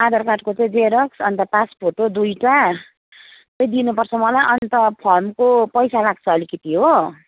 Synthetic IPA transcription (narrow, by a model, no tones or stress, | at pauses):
ad̪ʌrkaʈkot͡sʌj̃d͡zeɾʌksʌnt̪ʌpaspʰoʈod̪ujʈa | pʌjd̪inupʌrt͡sʰʌmʌlajʔʌnt̪ʌpʰʌrmkopʌjsalaɡt͡sʰʌːlikʌt̪iɦo